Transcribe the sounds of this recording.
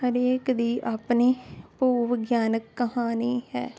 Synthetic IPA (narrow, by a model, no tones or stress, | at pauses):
həɾeːkd̪iːʔaːpniːpuːʋɪɡjaːnəkːəhaːniːhɛ̰ː